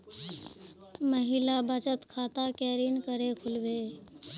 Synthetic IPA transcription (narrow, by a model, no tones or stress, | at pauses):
məɦɪlabət͡ʃət̪kʰaːt̪akɛːɾiːnkəɾekʰʊlbe